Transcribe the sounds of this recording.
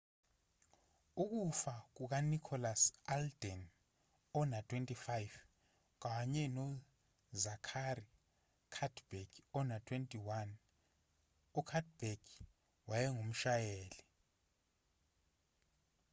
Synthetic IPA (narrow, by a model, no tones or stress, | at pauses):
uk̬ʼufak̬uk̬anikʰɔlasaldɛn | ɔnatʰwentʼifajv | k̬aɲɛnɔ | zakʰari | kʰadbɛɡ̥ɔnatʰwentʼiwan | ɔkʰad̚b̥ɛɡ | wajɛŋom̩ʃajɛːli